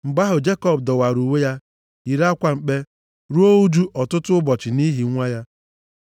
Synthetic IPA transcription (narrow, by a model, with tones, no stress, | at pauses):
ŋ͡m̩˨ɡ͡ba˦ɦʊ˨d͡ʒe˦kɔ˦b̚dɔ˨wa˨ɾu˨we˦ja˦ | i˨ɾa˦kʷa˨ŋ͡m̩˨k͡pe˦ | ɾu˦o˦u˦d͡ʒu˦ʔɔ˨tʊ˦tʊ˦ʊ˦bɔ˨t͡ʃɪ˨ni˦ɦi˨ŋʷa˦ja˦